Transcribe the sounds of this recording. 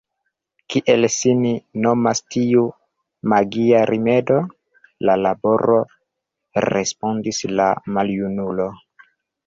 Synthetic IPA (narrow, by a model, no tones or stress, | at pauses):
kiʔe̞lsinino̞mastiu | maɡiaɾʔime̞do̞ | lalabo̞ɾo̞ | ɾḛspondisla̰maljunulo̞